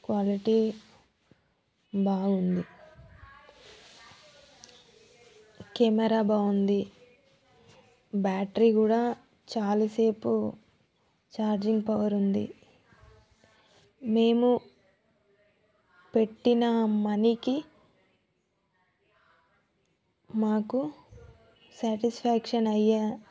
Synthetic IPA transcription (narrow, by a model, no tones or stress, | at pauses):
kʋaːliʈiː | baːund̪i | kemɐɾaːbaːund̪i | baːʈɾikuːɽaː | t͡ʃaːlise̞ːpu | t͡ʃaːɾd͡ʒiŋɡpɐʋɐɾund̪ḭ | me̞ːmu | pe̞ʈːinɐmɐniki | maːku | saːʈispʰaːkʂɐnɐjːa